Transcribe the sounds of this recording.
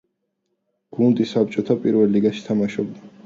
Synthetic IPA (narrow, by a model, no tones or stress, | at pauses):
ɡ̥und̪isap̚t͡ʃʼɔt̪ʰapʼiɾvɛlːiɡaʃi̥t̪ʰamaʃɔb̚d̪a